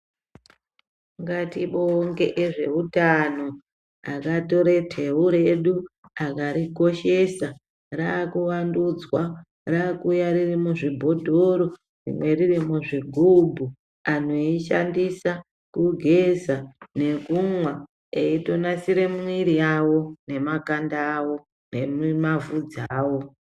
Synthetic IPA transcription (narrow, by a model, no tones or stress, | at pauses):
ŋkatiɓooŋɡe̞ʔeʐe̞utano̞ | a̰kato̞ɾetʰe̞uɾe̞ɗu | akaɾiko̞ʃe̞sa | raːkuʋandud͡zwa | raːkujaɾirimuʐibʱo̞dʱoɾo̞ | rḭmwe̞ririmuʐiɡʱubʱu | an̤oiʃa̰ndisa | kuɡʱezane̞kumwa | eito̞nasiɾemwiɾiawo̞ne̞makandaːwo̞ | nemmavud͡zaːwo̞